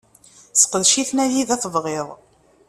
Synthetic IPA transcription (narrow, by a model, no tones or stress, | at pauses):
sqəðʃiθnæjiðæθəvʁeðˤ